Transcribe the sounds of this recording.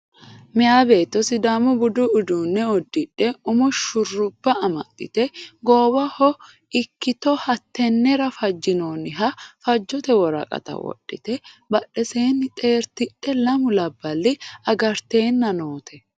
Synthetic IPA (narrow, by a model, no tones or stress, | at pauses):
mɪjaːbe̞ːt̪ːɔsɪd̪aːmɔbʊd̪ʊʊd̪uːnːɛɔd̪ːɪᶑːɛʊmɔʃʊrːʊbːɐɐmɐ̰t̪ːɪ̰t̪ɛɡoːbɐhɔ | ɪkːɪt̪ɔhɐt̪ːɛnːɛɾɐfɐd͡ʒːɪnoːnɪɦɐfɐd͡ʒːɔt̪ɛwɔɾɐ̰kʼɐ̰t̪ɐ̰wɔ̰ɗːɪt̪ɛbɐɗːɛseːnːɪt̪ʼe̞ːɾt̪ɪᶑːɛlɐmʊlɐbːɐlːɪɐɡɐɾt̪e̞ːnːɐnoːt̪ʰɛ